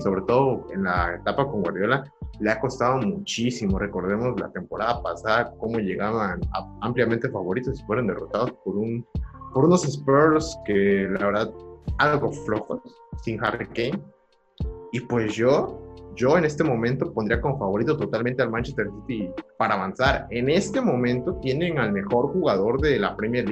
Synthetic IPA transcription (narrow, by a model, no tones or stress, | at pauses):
so̞βɾe̞t̪o̞ðoe̞nlaet̪apako̞ŋɡwaɾðjo̞laleako̞st̪aðo̞mut͡ʃisimo̞re̞ko̞ɾðe̞mo̞zla̰t̪e̞mpo̞ɾaðapasaðako̞mo̞ʝe̞ɣaβana̰ampljamẽ̞nt̪e̞faβo̞ɾit̪o̞si̥fwe̞ɾond̪e̞ro̞̰t̪aðospoɾunpo̞ɾuno̞se̞speɾskelaβe̞ɾðaðalɣo̞flo̞xosː | iŋxarikejn | ipwe̞zʝo̞ɟ͡ʝo̞ene̞st̪e̞mõ̞mẽnt̪o̞po̞nd̪ɾiako̞mfaβo̞ɾit̪̬ot̪ot̪almẽ̞nt̪e̞almãnt͡ʃest̪e̞ɾsit̪ipaɾaːβansaɾe̞ne̞st̪e̞mõ̞mẽ̞nt̪o̞t̪je̞ne̞ŋalme̞xo̞ɾxuɣaðo̞ɾðe̞lapɾemjeɾli